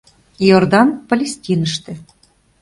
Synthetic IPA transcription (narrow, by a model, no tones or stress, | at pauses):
jord̪ɑnpəlʲesʲt̪ʲinəʃt̪ĕ